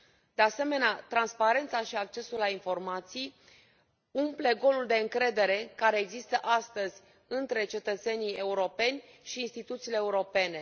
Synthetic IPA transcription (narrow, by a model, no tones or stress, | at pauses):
d̪̥ease̞me̞neat̪ɾanspaɾe̞nt̪saʃiak̚t͡ʃe̞sulːainfo̞rmat̪sij | umple̞ɡo̞luld̪e̞ɨŋkɾe̞d̪e̞ɾe̞kaɾe̞ːɡzist̪əʔast̪əzʲ | ɨnt̪ɾe̞t͡ʃe̞t̪ət̪se̞nije̞uɾo̞pe̞nʲ | ʃiːnst̪it̪ut̪siːleːuɾo̞pe̞ne̞